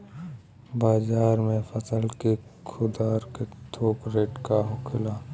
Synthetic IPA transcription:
baːzaːɾmẽfəsəlkekʰʊd̪aːɾket̪ʰoːkɾeːʈkaɦʊkʰɪlaː

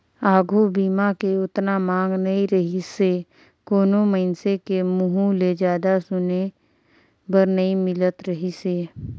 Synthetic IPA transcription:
aːɡʱubiːmakeʊt̪namãːŋɡnɐĩɾəɦise | koːnoməɪnsekemʊɦũled͡ʒjaːd̪asʊne | bəɾnɐĩmɪlət̪ɾəɦiseː

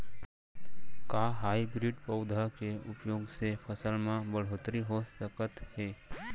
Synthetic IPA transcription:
kaːɦaːibɾiɖpəʊd̪ʱakeʊpjoːɡsepʰəsəlmãbəɽ̤oːt̪ɾiɦosəkət̪ɦeː

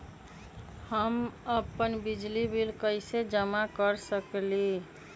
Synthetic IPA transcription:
həməpənbid͡ʒlibilkəɪsed͡ʒəmakəɾsəkli

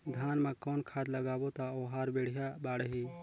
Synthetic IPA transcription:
d̪ʱaːnmãkɔːnkʰaːd̪ləɡaːbot̪aoːɦaːɾbeːɽ̤ijabaːɽəɦiː

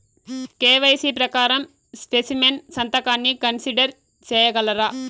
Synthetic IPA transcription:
keːʋɐjsipɾɐkaːɾɐm | spesimensɐnt̪ɐkaːnːikɐnsiɖɐɾ | t͡ʃɛːjɐɡɐlɐɾɐ

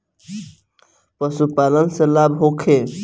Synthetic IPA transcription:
pəsupalənselabɦokʰe

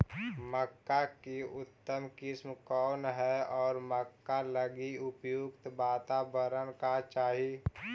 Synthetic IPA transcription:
məkːakeʊt̪ːəmkɪsmkɔːnɦɛɔːɾməkːaləɡiʊpjuɡt̪baːt̪abəɾənkat͡ʃaːɦie

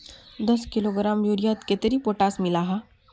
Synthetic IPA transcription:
d̪əskiloɡɾamjuɾijat̪ket̪əɾiːpoʈasmilaɦa

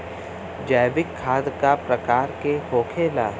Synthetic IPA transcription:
d͡ʒaːbɪkʰːaːd̪kapɾɐkaːɾkehoːkʰeːlaː

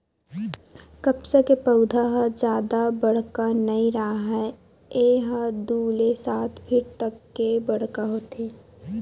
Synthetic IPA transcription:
kɐpsekepɐʊd̪ʱaɦad͡ʒjaːd̪abɐɽ̤kanɐiɾaːɦa | eːɦad̪uːlesaːt̪ʰpʰɪɾt̪ɐkːebɐɽ̤kaɦoːt̪eː

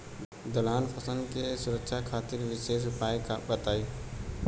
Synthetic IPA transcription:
d̪əlaːnpʰəsəlkesʊɾəkʃakʰaːt̪ɪɾʋɪʃeːʃ̬ʊpaːikbət̪aːiː

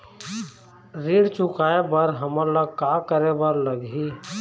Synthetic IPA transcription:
ɾiːɽt͡ʃʊkaːebəɾɦəməɾlakaːkəɾebəɾləɡi

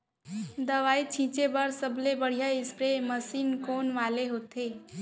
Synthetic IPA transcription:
d̪əʋaːit͡ʃʰĩt͡ʃebəɾsəblebəɽ̤ijaɪspɾeməsiːnkonʋaleɦot̪e

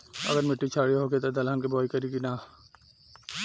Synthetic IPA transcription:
ɐ̰ɡəɾmɪʈːit͡ʃʰaːɽiɦoɡet̪od̪ɐlɦənkibɔːikɐɾiɡina

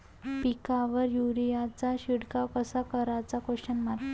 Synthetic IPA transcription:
pikaʋəɾjuɾijat͡saɕiɽkakəsakəɾat͡sakoɕənmaɾ

